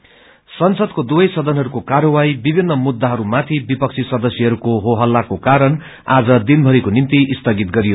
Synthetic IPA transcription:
sʌnsʌd̪kod̪ubʌjsʌd̪ʱʌnɦʌɾukokaɾʌwajbibʱinːʌmud̪ːaɦʌɾumat̪ʰibipʌk̚t͡sʰisʌd̪ʌsjʌɦʌɾukoɦoɦʌlːakokaɾʌn | ad͡zʌd̪inbʱʌɾikonint̪iʔist̪ʌɡit̪ɡʌɾijo

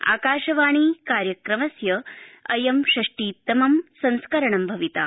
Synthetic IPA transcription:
a̰ːkaːʃɐʋaːɳ̃iːkaːɾjɐkɾɐmɐsjɐɐjɐmʃɾɐʂʈiːt̪ːɐmɐmsɐ̃nskɐɾɐɳɐmbʱɐʋit̪a̰ː

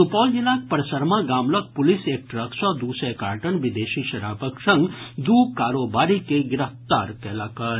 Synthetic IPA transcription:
upɔːld͡ʒilaːk̚pəɾsəɾmãɡaːmlɐk̚pʊliseːk̚ʈɾəksɔd̪usɛka̰ːɾʈəɳʋid̪eːʃiʃɐɾa̰ːpəksɐ̃ŋɡd̪uːkaːɾoːbaːɾikeɡɪɾəft̪a̰ːɾkɛːlaːkɐɾ

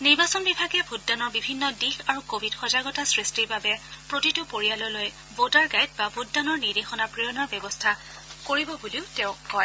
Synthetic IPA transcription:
niɹbasɔnbibʱaɡɛbʱudːanɔɹbibʱinːɔdixaɹukobʱidxɔzaɡɔtasɹistiɹbabɛpɹotitupoɹijalɔloj | bodaɹɡajt̚babʱudːanɔɹniɹdexɔnapɹijɔnɔɹbjɛbɔstʰa | koɹibɔbuliʊtɛʊ̃kɔj

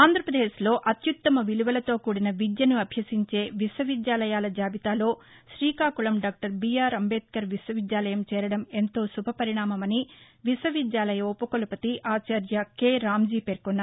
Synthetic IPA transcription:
aːnd̪ʱɾɐpɾɐd̪eːʃlo̞ːʔɐt̪jut̪ːɐmɐʋiluʋɐlɐt̪o̞ːkuːɽinɐʋid̪jɐnuɐbʱjɐsiɲt͡ʃe̞ːʋiswɐʋid̪jaːlɐjaːlɐd͡ʒaːbit̪aːlo̞ː | ʃɾiːkaːkulɐmɖaːk̚ʈɐɾbijaːɾɐmbeːt̪̚kɐɾʋiswɐʋid̪jaːlɐjɐmt͡ʃɛːɾɐɽɐme̞nt̪o̞ːsubʱɐpɐɾiɳaːmɐmɐni | ʋiswɐʋid̪jaːlɐjɐupɐkolɐpɐt̪iʔaːt͡ʃɐɾjɐkeːɾaːmd͡ʒiːpe̞ːɾkunːaː

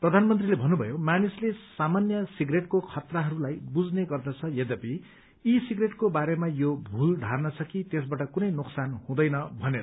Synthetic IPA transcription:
prʌd̪ʱanmʌnt̪rilebʱʌnːubʱʌjomanislesamanjʌsiɡreʈkokʰʌt̪rʌɦʌɾulajbud͡zneɡʌrd̪ʌt͡sʰʌjed̪ʌpi | isiɡreʈkobaɾemajobʱulɖʱarnʌt͡sʰʌkit̪esbaʈʌkunʌjnoksanhũd̪ʌjnʌbʱʌne

